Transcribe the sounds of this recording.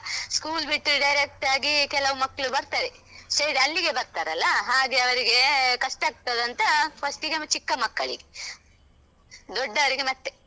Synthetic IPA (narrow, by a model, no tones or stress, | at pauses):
skuːlbiʈːuɖɐjɾek̚ʈaːɡikɛlɐʋumɐkːɐɭubɐɾt̪aːɾe | sɐdɐlːiɡe̞bɐɾt̪aːɾɐlːɐɦaːɡeɐʋɐɾiɡe̞kɐʂʈɐaːɡ̚t̪ɐd̪ɐnt̪ɐpɐsʈiɡemt͡ʃikːɐmɐkːɐɭḭɡe | d̪ɔɖːɐʋɐɾiɡe̞mɐt̪ːe